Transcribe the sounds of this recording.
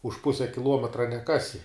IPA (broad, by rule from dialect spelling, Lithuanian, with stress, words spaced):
ʊʃ ˈpʊsʲɛ kʲɪˈlˠuɔmʲɛtrɐ nʲɛˈkɑːsʲɪ